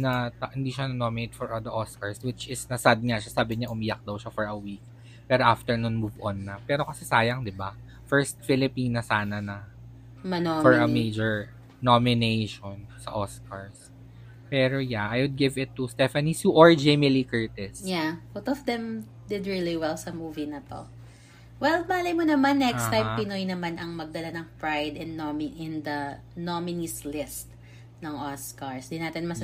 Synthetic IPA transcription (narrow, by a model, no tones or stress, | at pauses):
nɐt̪ɐhɪnd̪iʃanɐnomɪnejt̪̚fɔɹʔɐd̪ɐʔoskɐɹswɪt͡ʃɪsnɐsad̪̚ŋaʃasaːbɪɲaʔʊmɪjak̚d̪ɐwʃafɔɹɐwiːk̚ | pɛːɾoʔaft̪ɛɹnʊnmuvʔɔnːɐpɛːɾo̞kɐsɛsaːjɐŋd̪ɪba | fɛɹst̪̚fɪlɪpiːnɐsaːnɐnɐ | ɐfɔɹɐmejd͡ʒɛɹ | nomɪnejʃonsɐ̰ʔoskɐɹs | pɛɾojaʔajwʊd̪̚ɡɪvɪt̪ːust̪ɛfɐnisjuʔɔɹd͡ʒɛmɪlikɛɹt̪ɪsjawot̪ɔvd̪ɛ̃m | d̪ɪd̪ɹiliwɛlsɐmuːvinɐt̪o̰ | wɛlbaːlɐjmonɐmanːɛkst̪ːãjmppɪnojnɐmanʔɐŋmɐɡ̚d̪ɐlanɐŋpɹajd̪ɛ̃nːomiʔɪ̃nd̪ɐ | nomɪnislɪst̪ | nɐŋɔskɐɹsd̪ɪnːaːt̪ɪnmɐs